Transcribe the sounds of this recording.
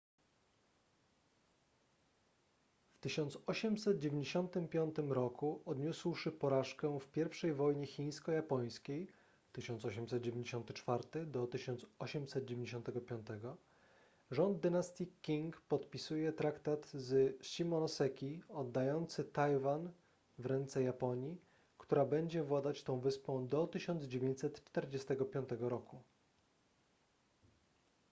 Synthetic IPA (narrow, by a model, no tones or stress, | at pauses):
ft̪ɘɕɔnt̪sɔɕɛmsɛt̪̚d͡ʑevʲeɲd͡ʑeɕɔnt̪ɘmpʲjɔnt̪ɘmɾɔkuɔd̪ɲuswʂɘpɔɾaʂkɛfpʲjɛɾfʂɛjvɔjɲɛxʲij̃skɔjapɔj̃skʲej | t̪ɘɕɔnsɔɕɛmsɛt̪̚d͡ʑevʲeɲd͡ʑeɕɔ̃nt̪ɘt͡ʂfaɾt̪ɘd̪ɔt̪ɘɕɔnt̪sɔɕɛmsɛt̪̚d͡ʑevʲeɲd͡ʑeɕɔ̃nt̪ɛɡɔpʲɔnt̪ɛɡɔ | ʐɔnd̪̚ːɘnast̪ʲikʲːiŋkpɔt̪pʲisujɛt̪ɾakt̪at̪zɕimɔnɔsɛkʲiɔd̪ːajɔnt̪sɘt̪ajvan | vɾɛnt̪sɛjapɔɲji | kt̪uɾabɛɲd͡ʑɛvwad̪at͡ɕt̪ɔ̃w̃vɘspɔ̃w̃d̪ɔt̪ɘɕɔnd̪zd͡ʑevʲjẽɲt͡ɕsɛt̪t͡ʂt̪ɛɾd͡ʑɛst̪ɛɡɔpʲjɔ̃nt̪ɛɡɔɾɔku